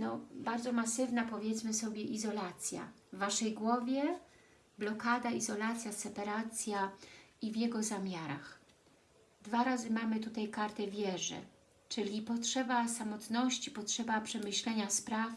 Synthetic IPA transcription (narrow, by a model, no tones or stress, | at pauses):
nɔbaɾd̪zɔmasɘvnapɔvʲjɛt̪smɘsɔbʲjɛʔizɔlat̪sʲja̰vːaʂɛjɡwɔvʲjɛ | blɔkad̪aizɔlat̪sʲjasɛpaɾat̪sʲjaivjɛɡɔzamʲjaɾa̰x | d̪vaɾazɘmamɘt̪ut̪ajkaɾt̪ɛvʲjɛʐɛ̰ | t͡ʂɘlʲipɔtʂɛbasamɔt̪nɔɕt͡ɕipɔtʂɛbapʂɛmɘɕlɛɲaspɾaf